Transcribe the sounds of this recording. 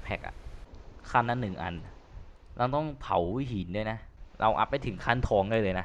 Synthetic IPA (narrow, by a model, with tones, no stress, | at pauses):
pʰɛ˨˩k̚ʔa̰˨˩kʰaː˥˩nːa˧˥nːɯ˨˩ŋʔa̰˧n | ɾa˧wt̪ɔ˥˩ŋt̪ʰa˨˩˦wi˧˦˥ɦiː˨˩˦ndu˥˩əjna˦˥ɾʔa˧wʔa̰˨˩pːa˧jt̪ʰɯ˩˦ŋkʰaː˥˩nt̪ʰɔː˧ŋlaː˧jlɤː˧jna˦˥